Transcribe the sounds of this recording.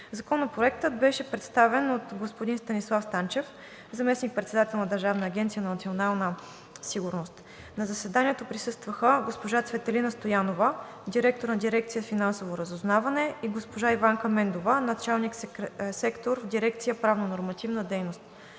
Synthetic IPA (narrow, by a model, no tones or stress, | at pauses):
zɐkɔnːɐpɾoɛk̚t̪ət̪bɛʃɛpɾɛt̪st̪avɛnot̪ɡospod̪inst̪ɐnislˠafst̪ant͡ʃɛf | zɐmɛsnik̚pɾɛt̪sɛd̪at̪ɛlˠnɐd̪əɾʒavnɐːɡʲɛnt̪sijənɐnɐt̪sionalˠnə | siɡuɾnost̪ | nɐzɐsɛd̪aniɛt̪opɾisɤst̪vəxəɡospoʒat̪svɛt̪ɛlinəst̪ojanovə | d̪iɾɛk̚t̪oɾnɐd̪iɾɛk̚t̪sijəfinansovoɾəzʊznavɐnɛiɡospoʒaivaŋkɐmɛnd̪ovənɐt͡ʃalˠnikssɛkt̪oɾvd̪iɾɛkt̪sijəpɾavnonoɾmɐt̪ivnəd̪ɛjnost̪